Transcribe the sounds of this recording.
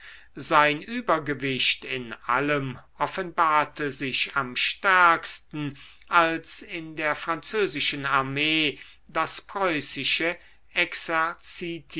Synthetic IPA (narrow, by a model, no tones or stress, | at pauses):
zaɪnʔyːbɐɡəvɪʃtɪnʔa̰ləmʔɔfənbaːɐtʰəzɪçamʃtɛɐkstn̩ | ʔalsɪndeːɐfʁ̥ant͡søːzɪʃənaɐmeː | d̥aspʁ̥ɔʏsɪʃə | ʔɛksɛt͡sitʰ